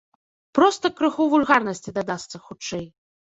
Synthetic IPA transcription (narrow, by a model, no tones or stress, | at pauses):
pɾɔst̪ɐkɾɨxuvulʲɣarnɐsʲt͡sʲid̪ad̪ast̪sːɐxut͡ʂːɛj